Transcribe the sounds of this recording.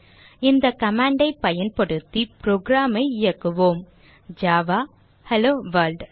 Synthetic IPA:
ɪnd̪ɐkɐmaːɳɖɐɪpːɐjɐnpɐɽɯt̪ːipɾoːɡɾaːmɐɪɪjɐkːɯʋoːm | d͡ʒaːʋaː | hɛloːʋɐlɖ

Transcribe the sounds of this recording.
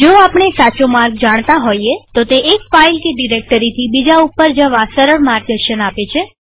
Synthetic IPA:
d͡ʒoapɳ̃esat͡ʃomaɾɡ̚d͡ʒaɽ̃t̪aɦoiet̪ot̪eʔːkfailkeɖiɾek̚ʈəɾit̪ʰibid͡ʒaupːəɾd͡ʒəʋasəɾəɽmaɾɡ̚d̪əɾʃənapet͡ʃʰe

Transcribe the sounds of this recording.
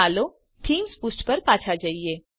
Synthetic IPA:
aːloː | ʈ̪ʰiːmspʊsʈpɐɾpaːt͡ʃʰad͡ʒaːieː

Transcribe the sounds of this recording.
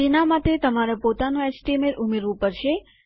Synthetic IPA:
inamat̪et̪əmaɾapot̪anũɛt͡ʃʈimeɾʔumeɾʋũpəɾʃe

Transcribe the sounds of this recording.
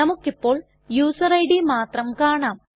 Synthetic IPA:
ɐmukːipːo̞ːɭ | juːsɐrɐjɽimaːt̪rɐmkaːɳaːm

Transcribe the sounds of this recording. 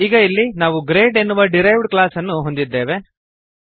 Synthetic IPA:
iːɡɐilːinaːʋuɡɾeːɖe̞nːuʋɐɖiɾɐjʋɖklaːsɐnːuɦo̞nd̪id̪ːe̞ːʋe̞

